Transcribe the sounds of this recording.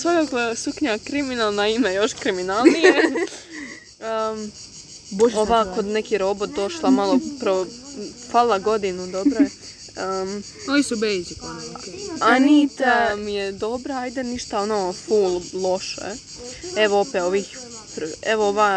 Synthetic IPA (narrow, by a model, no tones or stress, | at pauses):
sojoksukɲakɾiminalˠnaimejo̞ʃkɾiminalˠnije | əm | booʋaːkod̪nekiɾobot̪̚d̪o̞ʃlˠamalˠoupɾaʋofalˠaɡo̞d̪inud̪obɾo | ə | onisubejzikookeanit̪amijed̪o̞bɾaajd̪eniʃt̪aonofuːllˠo̞ʃḛ | eʋoopeoʋiːx | pɾeʋooʋaː